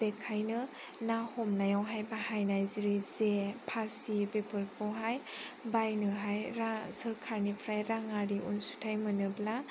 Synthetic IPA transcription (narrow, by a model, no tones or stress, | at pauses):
bekʰːajnɯ | nahɔmnajawɦajbahajnajziɾizepʰasibepʰɯɾkʰɔwɦajbajnɯɦajɾasəɾkʰaɾnipʰɾajɾaŋaɾiʔṵnsu̥tʰajmɯnɯbla